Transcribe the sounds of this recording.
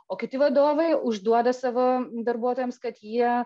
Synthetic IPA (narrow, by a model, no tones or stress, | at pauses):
oːkʲɪt̪ʲɪʋɐd̪oːʋɐɪʊʒd̪uɔd̪ɐsɑːʋoːd̪ɐɾbuɔt̪oːjɛmskɐt̪jiɛ